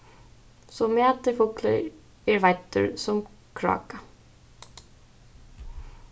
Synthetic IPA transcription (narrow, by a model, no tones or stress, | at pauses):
sɔmɛːt̪ɪfʊklə̰ | ɛɹvajt̪ːʊ̰ɹsʊm | kʰɾɔ̰ːka